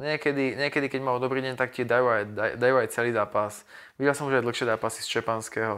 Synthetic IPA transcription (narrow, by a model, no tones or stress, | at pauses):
ɲɪɛkɛd̪iɲɛkɛd̪ikɛɟmaɔd̪ɔbɾiːɟɛɲt̪akcɪɛd̪ajuajd̪a̰d̪ajuːajt͡sɛliːzaːpas | ʋiɟɛlsɔmuʒajd̪l̩xʃɪɛzaːpasist͡ʃɛpanskɛːɦɔ